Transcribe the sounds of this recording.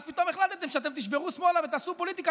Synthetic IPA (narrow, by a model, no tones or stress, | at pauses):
zpit̪o̞meχlat̪et̪emʃeat̪̬e̞mt̪iʃbe̞ʁusmo̞lavet̪asupo̞lit̪ika